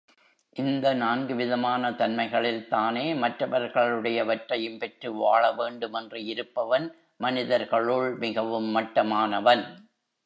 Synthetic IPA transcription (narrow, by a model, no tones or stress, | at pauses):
ʔɪnd̪ɐnaːnɡɯʋɪðɐmaːnɐt̪ɐnmɐɪɣɐɭɪlt̪aːneːmɐʈrɐʋɐɾɣɐɭɯɽɐjɐʋɐʈrɐjɯmpɛʈrɯʋaːɭɐʋeːɳɖɯmɛndrɯɪɾɯpːɐʋɐn | mɐnɪðɐɾɣɐɭʊɭmɪɣɐʋɯmːɐʈːɐmaːnɐʋɐn